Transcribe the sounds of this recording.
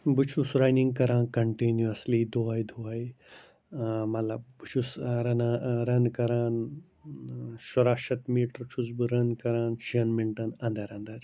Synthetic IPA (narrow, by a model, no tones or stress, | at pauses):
bɨt͡ʃʰusɾaːjniŋɡkɐɾãːnkɐɳʈinjuɐslid̪ʱoajd̪ʱoaj | mɐt̪lɐb̚bɨt͡ʃʰusɾɐnaːɾɐnkɐɾaːn | ʃuɾaːʃɐt̪miːʈɾt͡ʃʰus̬bɨɾɐnkɐɾaːnʃiɐnmiɳʈɐnɐ̃nd̪ɐɾɐnd̪ɐɾ